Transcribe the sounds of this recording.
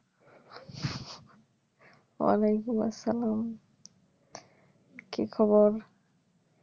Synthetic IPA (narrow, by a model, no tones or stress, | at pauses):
wa̰lajkuma̰sːalam | kikʰɔbɔɾ